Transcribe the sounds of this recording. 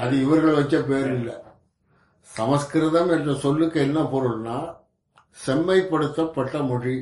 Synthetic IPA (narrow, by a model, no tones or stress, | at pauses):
ɐðɯɪʋɐɾɣɐɭʋɐt͡ʃːɐpeːɾɪlːɐ | sɐmɐskɪɾɐðɐmɛnrɐsɔlːɯkːɐɛnːaːpoːɾɯlnːaː | sɛmːɐɪpːɐɽɯt̪ːɐpːɐʈːɐmʊɽi